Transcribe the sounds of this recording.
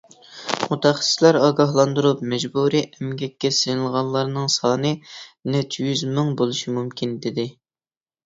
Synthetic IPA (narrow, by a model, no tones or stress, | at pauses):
mut̪ʰɑχə̥sslæɾɑːɡɑɦlˠɑnd̪uɾup̚mɛd͡ʒbuɾiʔɛmɡʲɛkʲːɛsejɨlˠʁɑlˠːɑɾnɨŋsɑːnɨnɛt͡ʃʰːjyzmɪŋbolˠuʃimumkʲʰind̪ɪd̪ɪ